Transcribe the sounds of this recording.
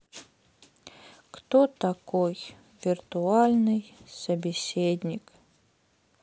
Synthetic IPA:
kt̪ot̪akoj | vʲirt̪ualʲnɨjsɐbʲɪsʲedʲnʲik

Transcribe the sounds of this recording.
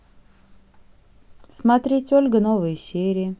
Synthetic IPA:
smat̪ɾʲetʲolʲɡənovəjəsʲeɾʲɪə

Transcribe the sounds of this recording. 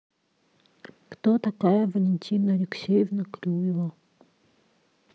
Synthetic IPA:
kt̪ot̪akajəvəlʲɪnʲtʲʰinəlʲɪksʲejəvnɐklʲujʲɪvə

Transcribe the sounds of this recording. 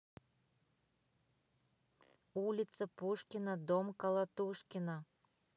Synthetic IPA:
ulʲit̪t͡səpuʃkʲinəd̪omkɑlˠɑt̪uʃkʲina

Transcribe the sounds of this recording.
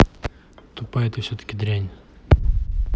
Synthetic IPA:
t̪ʊpajɪt̪ɨfsʲot̪ə̥kʲɪd̪ɾʲænʲ

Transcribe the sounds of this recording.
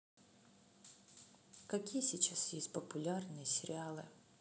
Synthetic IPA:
kɐkʲijəsʲit͡ɕasjesʲtʲpəpʊlʲarnɨjəsʲɪɾʲɪalˠɨ̰

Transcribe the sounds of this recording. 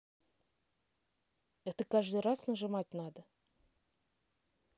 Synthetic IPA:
ɛt̪əkaʐd̪ɨjrasnəʐɨmat̚ʲnad̪ə

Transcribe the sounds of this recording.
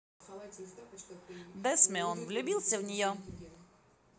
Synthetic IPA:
d̪ɛsmʲɛɔnvlʲʊbʲilˠsʲəvnʲɪjɔ

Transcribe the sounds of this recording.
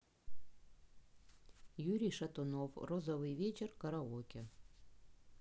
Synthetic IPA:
jyɾʲijʃɑt̪onowrozoβɨjvʲet͡ɕerkɑɾɑokʲe

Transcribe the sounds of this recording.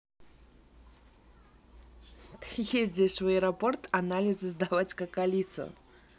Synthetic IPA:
t̪ɨjes̬ʲdʲeʂvəəɾɐport̪ɐnalʲɪzɨzd̪avatʲkəkalʲit̪sə̰

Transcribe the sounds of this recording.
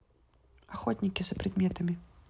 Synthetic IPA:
axɔt̪ʲnʲikʲizɐpɾɨd̪mʲɛt̪ɐmʲi

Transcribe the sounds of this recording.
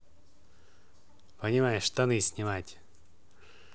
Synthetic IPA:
pənʲɪmajɪʂt̪ɐnɨsʲnʲɪmatʲ

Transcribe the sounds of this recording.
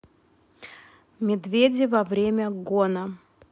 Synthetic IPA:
mʲɪd̪vʲedʲɪvɐvɾʲemʲəɡonə

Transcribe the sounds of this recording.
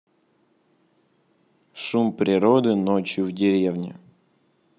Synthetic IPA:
ʂumpɾʲɪɾɔd̪ɨnɔt͡ɕjʊvdʲɪɾʲeɛwnʲɪ̰

